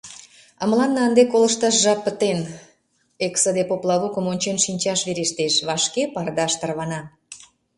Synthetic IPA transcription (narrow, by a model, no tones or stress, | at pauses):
əmlɑnːəənd̪ekolə̆ʃt̪ɑʃʒɑpːət̪en | eksəd̪epoplɑlukə̆monʲt͡ɕenʃinʲt͡ɕɑʃβeɾeʃt̪eʃβɑʃkepɑrd̪ɑʃt̪ərβɑnɑ